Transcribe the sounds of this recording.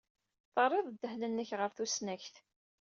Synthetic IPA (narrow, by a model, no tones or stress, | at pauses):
θərˤːeðˤd̪ːəhlənːəçʁəɾθusnæçθ